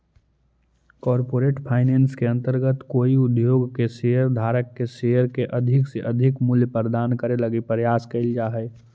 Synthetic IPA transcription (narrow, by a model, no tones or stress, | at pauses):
kɔːɾpoːɾeːʈpʰaːɪnẽːnskeɐ̃nt̪əɾɡət̪koːiʊd̪joːɡkeʃejəɾd̪ʱaːɾəkːeʃejəɾkeʔɐd̪ʱɪkseʔɐd̪ʱɪkmʊljpəɾd̪aːnkəɾelɐɡipəɾəjaːskeɪld͡ʒaːɦɛː